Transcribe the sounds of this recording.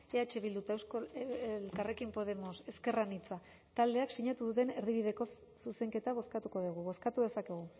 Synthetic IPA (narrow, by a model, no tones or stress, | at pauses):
eat͡ʃe̞βild̪ut̪aesolkare̞kimpo̞ð̞e̞mo̞se̞ske̞ranit͡sa | t̪ald̪e̞aksiɲat̪uðut̪e̞ne̞ɾðiβ̞iðe̞ko̞s | suse̞ŋke̞t̪aβ̞o̞skat̪uko̞ðiɣ̞uβo̞skat̪uðe̞sake̞ɣ̞u